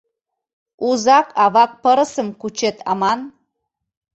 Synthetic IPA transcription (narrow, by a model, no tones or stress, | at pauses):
uzɑkʰɑβɑk̚pəɾəsə̆mkut͡ʃet̪ʰɑ̰mɑn